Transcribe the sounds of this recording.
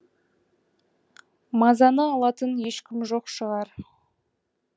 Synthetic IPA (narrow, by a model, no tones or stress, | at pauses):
mɑzɑnəɑlˠɑt̪ənje̞ʃkʲɪmʒoqʃəʁɑɾ